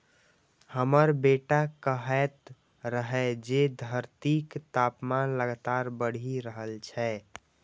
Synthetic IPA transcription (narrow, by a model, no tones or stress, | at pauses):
həməɾbeʈakəɦɛt̪ | ɾəɦɛd͡ʒed̪ʱəɾt̪ikt̪apmanləɡt̪aɾbəɽ̤iɾəɦəlt͡ʃʰɛ